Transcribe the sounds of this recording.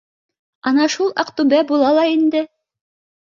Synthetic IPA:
ɑnɑʃulˠɑqt̪ubæbulˠɑlˠɑind̪ɘ

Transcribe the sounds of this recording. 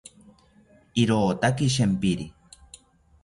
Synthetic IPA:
iɾoːt̪akiʃ̬empiɾi

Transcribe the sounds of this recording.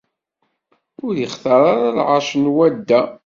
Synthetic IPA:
ʊɾjəχθɑɾˤɑɾˤalʕɑʃnwæd̪ːæ

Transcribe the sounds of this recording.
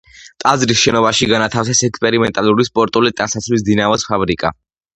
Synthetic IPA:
t̪ʼazɾisʃɛnɔvaʃiɡanat̪ʰafsɛsɛkspʼɛɾimɛnt̪ʼaluɾispʼɔɾt̪ʼulit̪ʼansat̪sʰlis̬d̪inavɔspʰabɾikʼa̰

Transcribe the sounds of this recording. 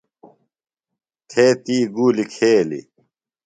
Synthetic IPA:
t̪ʰeːt̪iːɡuːlikʰeːlḭ

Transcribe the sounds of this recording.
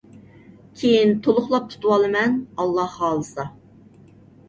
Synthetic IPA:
kʲʰejint̪ʰolˠʊχlˠɑp̚t̪ʰu̥t̪uwɑlˠɨmɛnɑlˠːɑhɑːlˠɨsɑ

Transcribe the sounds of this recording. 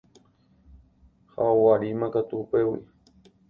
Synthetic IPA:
ha̰owaɾimãkat̪uːpewḭ

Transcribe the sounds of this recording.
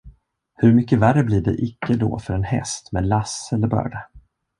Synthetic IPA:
hɵɾmʏkːəværːəbliːɖɛ̰ʔɪkːəd̪ɔ̰ːfœɾɛnhɛ̰st̪meːd̪lasɛlːəɾbœ̰ːɖa

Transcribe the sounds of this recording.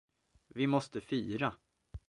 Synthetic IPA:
vɪmɔst̪əfiːɾa

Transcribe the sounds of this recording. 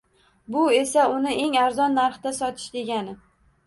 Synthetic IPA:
bʊe̞saʊnɪʔe̞ŋaɾzɒnːaɾχt̪asɒt̪ʰɪ̥ʃd̪e̞ɡʲanɪ

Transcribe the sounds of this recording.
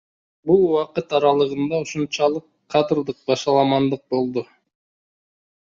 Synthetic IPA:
bulˠwɑqɯt̪ɑɾɑlˠɯʁɯnd̪ɑuʃunt͡ʃɑlˠɯqʰːɑd̪ɨɾd̪ɯq̚bɑʃɑlˠɑmɑnd̪ɯq̚bo̞lˠd̪u

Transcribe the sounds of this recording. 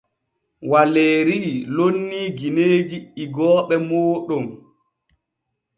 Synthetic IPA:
waleːɾilonːiːɡineːd͡ʒiiɡɔːɓɛmɔːɗɔm

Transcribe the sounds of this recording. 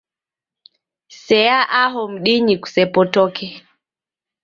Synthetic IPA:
sɛjaʔaɦɔm̩ɗiɲiku̥sɛpɔtɔkɛ

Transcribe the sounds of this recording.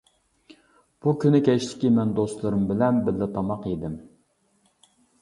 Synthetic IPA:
b̥ukʲynɪkʲʰɛʃlɪ̥kʲimɛnd̪ost̪lˠɨɾɨmbɪlɛnbɪllːɪt̪ʰɑmɑqid̪ɪm

